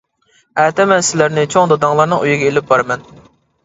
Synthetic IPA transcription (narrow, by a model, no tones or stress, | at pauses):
æt̪ɛmɛnsɪlæɾnɪt͡ʃʰoŋd̪ɑd̪ɑŋlˠɑɾnɨŋyjɪɡʲɛelɪp̚bɑɾɨmɛn